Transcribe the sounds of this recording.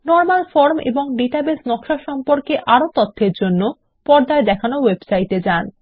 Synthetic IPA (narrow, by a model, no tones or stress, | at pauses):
nɔɾmalfoɾmḛboŋɖiʈabesnɔkʃaʃɔmpoɾkeʔaɾot̪ot̪ʰːeɾd͡ʑonːo | pɔɾd̪aed̪ɛkʰanowebsajʈed͡ʑan